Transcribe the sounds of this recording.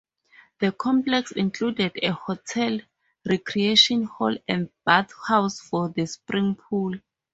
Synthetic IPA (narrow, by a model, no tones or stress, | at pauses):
ðəkʰɔ̃mplɛksĩŋkʰludɛdehotʰɛl | rɛkʰrieʃɔ̃nhɔlɛ̰̃ndb̥aθhawsfɔðəspɹĩŋpʰul